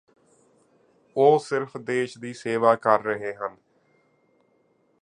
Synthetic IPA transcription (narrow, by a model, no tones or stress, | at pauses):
oːsɪɾpʰd̪eːʃd̪iːseːʋaːkəɾːəɦeːɦən